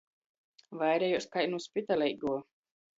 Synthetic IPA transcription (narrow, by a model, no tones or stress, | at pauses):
vajɾɛjuskajnuspʲit̪alʲɛjɡuɔ